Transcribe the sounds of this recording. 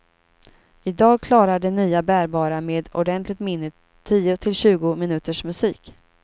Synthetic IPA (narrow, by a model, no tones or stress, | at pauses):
ɪd̪ɑːɡ̚kʰlɑːɾaɖɛnyːabæːɾbɑːɾameːd̪ɔ̰ɖɛnt̪ʰlɪɡ̚t̪mɪnːət̪ʰː | iːʊt̪ʰɪlɕʉ̟ːɡʊmɪnʉ̟ːt̪əʂmɵsiːk